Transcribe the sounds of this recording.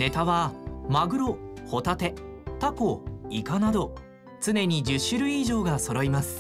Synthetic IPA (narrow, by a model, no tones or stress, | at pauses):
ne̞t̪aβamaɡɯ̟ɾo̞ho̞t̪at̪e̞t̪ako̞ikanad̪o̞ | t͡sɨne̞ɲ̟id͡ʑɨɕːɨɾɯ̟iʑo̞ːɡaso̞ɾo̞imasɨ̥